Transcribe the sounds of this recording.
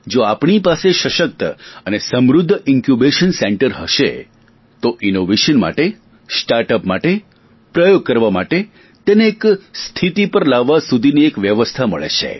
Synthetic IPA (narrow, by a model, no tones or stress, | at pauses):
d͡ʒoapɳ̃ipaseʃəʃək̚t̪əənesəmɾʊd̪ʱːəɪŋkjubeʃənseɳʈəɾɦəʃḛ | t̪oʔinoʋeʃənma̰ʈe | sʈaɾʈəpmaʈe | pɾəjoɡ̚kəɾʋamaʈe | t̪eneːkst̪ʰit̪ipəɾlaʋːasud̪ʱiniekʋjəʋəst̪ʰamə̰ɭḛt͡ʃʰḛ